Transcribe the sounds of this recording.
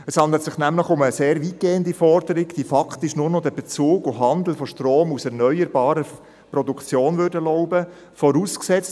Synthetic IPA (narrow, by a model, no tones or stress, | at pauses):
əshɑnd̪l̩t̪sɪχnæmləχʊməseːɾʋit̚ɡ̥eːəndifɔrd̥əɾɪɡd̥iːfɑkʰt̪ɪʃnʊrnɔd̪ɛb̥et͡suːɡʊɦɑnd̪l̩fɔʃtroːmusɛɾnœʏəɾbɑːɾə | prɔdukʰt͡sjoːnvʏɾdəlɔʊbə | fɔɾuːsksɛt͡st